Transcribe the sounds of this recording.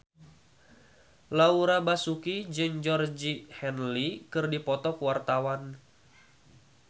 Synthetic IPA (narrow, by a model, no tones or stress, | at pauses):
lauɾabasukid͡ʒɨŋd͡ʒɔrd͡ʒihɛnlikɨrdipɔt̪ɔkwart̪awan